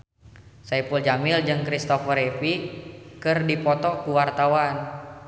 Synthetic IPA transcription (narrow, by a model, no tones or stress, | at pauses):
saipuld͡ʒamɪld͡ʒɨŋkɾist̪ɔfəɾefikɨrdipɔt̪ɔkuwart̪awan